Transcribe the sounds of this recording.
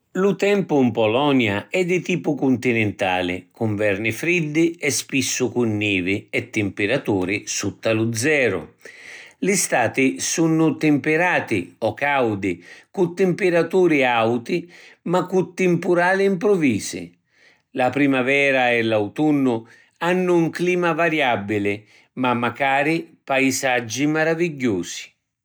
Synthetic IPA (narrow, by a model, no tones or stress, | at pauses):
lut̪ɛmpʊmpɔlɔnjaɛd̪ːɪt̪iːpʊkʊnt̪inɛnt̪a̰ːlɪ̰kuɱvɛrnɪfɾid̪ːɪɛspisːʊkunːiːvɪɛt̪ːɪmpɪɾat̪uːɾɪsut̪ːalud̪zːɛːɾʊ̰ | lɪst̪aːt̪ɪsunːʊt̪ɪmpɪɾaːt̪ɪɔkawd̪ɪkut̪ːɪmpɪɾat̪uːɾɪawt̪imakːut̪ːɪmpuɾaːlɪimpɾʊviːsɪ̰ | lapɾimavɛːɾaɛlawt̪unːʊ | anːʊuŋkliːmavaɾjabːilɪ | mamːakaːɾipajisad͡ʒːimaɾaviɟːuːsi̥